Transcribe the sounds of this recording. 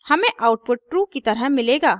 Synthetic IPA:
hɐmẽʔaʊʈ̚pʊʈ̚ʈɾuːkit̪ɐɾəmɪleːɡaː

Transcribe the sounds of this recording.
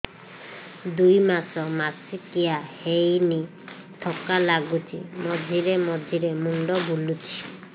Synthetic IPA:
d̪ujmasɔmasikiahejni | ʈʰɔkalaɡutʰḭmɔd̪ʱiɾemɔd̪ʱiɾemuɳɖɔbulutʰi̥

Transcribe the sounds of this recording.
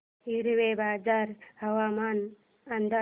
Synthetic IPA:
iɾwebaːd͡ʒaɾhɐwaman | and̪a

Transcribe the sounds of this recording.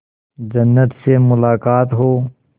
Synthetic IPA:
d͡ʒɐnːət̪semʊlaːkaːt̪ɦoː

